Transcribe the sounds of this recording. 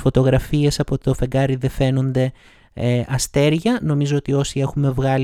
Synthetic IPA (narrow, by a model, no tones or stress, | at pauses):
fo̞t̪o̞ɣɾɐfie̞sɐpo̞ofe̞ŋɡɐɾiðe̞fe̞no̞nd̪e̞ | ʔɐst̪e̞ɾʝɐno̞mizoot̪io̞sie̞xume̞vɣɐl